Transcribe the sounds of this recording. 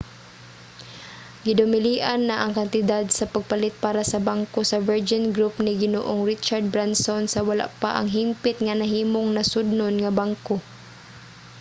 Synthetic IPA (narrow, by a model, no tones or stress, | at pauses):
ɡɪd̪ʊmɪliːʔanːaʔɐŋkɐnt̪ɪd̪ad̪sɐpaɡ̚palɪt̪̚paːɾasɐbaŋkosɐvɛɹd͡ʒɪnɡɾupnɪɡɪno̰ːʔoŋɹɪt͡ʃaɹd̪̚bɹansonsɐwala̰ʔpa̰ʔɐ̰ŋɦimpɪt̪ŋɐnɐɦiːmoŋnɐsʊd̪̚nonŋɐbaŋko